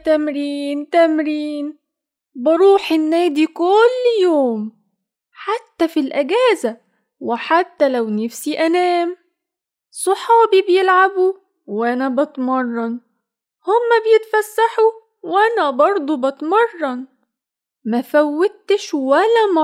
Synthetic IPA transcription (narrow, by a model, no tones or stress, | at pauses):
t̪æmɾiːnt̪æmɾiːn | bɑɾˤuːħɪnːæːd̪ikolːjoːm | ħat̪ːæfilʔæɡæːzæ | wɪħat̪ːælæwnafsiʔænæːm | sˤoħɑːbibjelʕabu | wʔænæbɑt̪mɑrˤːɑn | homːæbejet̪fæsːaħu | wʔænæbɑɾˤd̪ˤubɑt̪mɑrˤːɑn | mæfæwːæt̪ːɪʃwælːæmɑ